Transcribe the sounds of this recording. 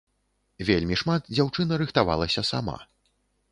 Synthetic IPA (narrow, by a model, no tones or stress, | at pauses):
vʲelʲmʲiʂmat̪̚d͡zʲawt͡ʂɨnɐɾɨxt̪ava̰lˠɐsʲɐsama̰